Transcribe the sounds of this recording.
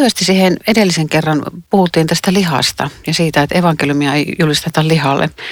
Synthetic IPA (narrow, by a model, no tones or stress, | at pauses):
yʋæst̪issihenedelːiseŋkerːɑnpuhut̪ːˑiːnt̪æst̪ælihɑ̰st̪ɑ̰jɑsiːt̪æet̪eʋɑŋkelumiɑeijulist̪et̪ɑllihɑlːʔḛ